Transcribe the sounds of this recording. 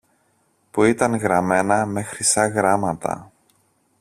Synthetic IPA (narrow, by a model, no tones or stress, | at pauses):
puit̪ɐŋɣɾɐme̞nɐme̞xɾisɐɣɾɐmɐt̪ɐ̰